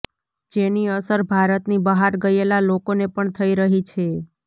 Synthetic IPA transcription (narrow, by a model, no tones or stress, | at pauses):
d͡ʒeniəsəɾbʱaɾət̪nibəɦaɾɡəjelalokonepəɳt̪ʰəiɾəɦit͡ʃʰe